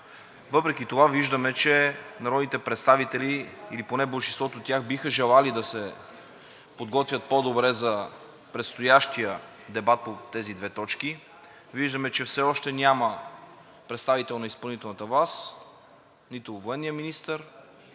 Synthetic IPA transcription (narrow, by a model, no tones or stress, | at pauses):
vɤpɾɛkit̪ovaviʒd̪əmɛt͡ʃɛnɐɾɔd̪nit̪ɛpɾɛt̪st̪avit̪ɛliiliponɛbolˠʃinst̪vɔt̪oːt̪ːʲjaxbixəʒɛlˠalid̪ɐsɛ | pod̪ɡɔt̪vʲjət̪̚pod̪obɾɛzɐ | pɾɛt̪st̪ojaʃt̪ijə | d̪ɛbat̪̚pot̪ɛzid̪vɛt̪ɔt͡ʃki | viʒd̪əmɛt͡ʃɛfsɛɔʃt̪ɛnʲamə | pɾɛt̪st̪avit̪ɛlˠnɐispɐlˠnit̪ɛlˠnət̪əvas | nit̪ʊvoɛnːijəminist̪əɾ